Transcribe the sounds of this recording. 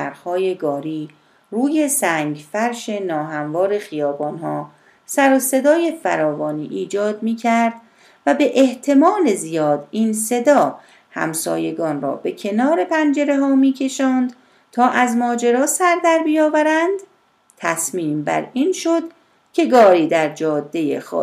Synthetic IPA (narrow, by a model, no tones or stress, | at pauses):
æɾxhɒːje̞ɡɒːɾiː | ruːje̞sæŋɡfæɾʃe̞nɒːɦæmvɒːɾe̞xijɒːbɒːnhɒː | sæɾose̞d̪ɒːje̞fæ̰ɾɒːvɒːniːʔiːd͡ʒɒːd̪̚miːcʰæɾd̪ | væbe̞ʔeht̪ʰe̞mɒːle̞zijɒːd̪inse̞d̪ɒː | hæ̰msɒ̰ːje̞ɡɒːnrɒ̰ːbe̞cʰe̞nɒːɾe̞pʰænd͡ʒe̞ɾe̞ɦɒːmiːcʰe̞ʃɒːnd̪̥ | t̪ʰɒːʔæzmɒːd͡ʒe̞ɾɒːsæɾd̪æɾbijɒːvæɾænd̪ | t̪ʰæsmiːmbæ̰ɾiːnʃo̞d̪ | cʲʰe̞ɡɒːɾiːd̪æɾd͡ʒɒːd̪ːe̞jḛxɒ̰ː